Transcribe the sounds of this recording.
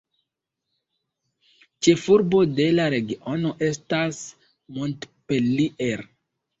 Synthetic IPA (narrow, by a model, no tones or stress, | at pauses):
t͡ʃe̞fuɾbo̞de̞laɾe̞ɡiʔo̞no̞ʔe̞stas | montpeliʔeɾ